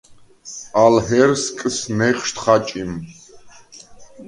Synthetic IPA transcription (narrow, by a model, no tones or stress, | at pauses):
alɦɛɾskʼsnɛχʃt̪ʰχat͡ʃʼim